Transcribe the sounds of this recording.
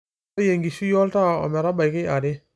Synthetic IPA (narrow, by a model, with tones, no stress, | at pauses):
je˨ŋɡi˨su˦jɔ˦lta˦ɔ̰˨mɛ˨ɾa˦ba˨jkɪ˦a˨dɪ˦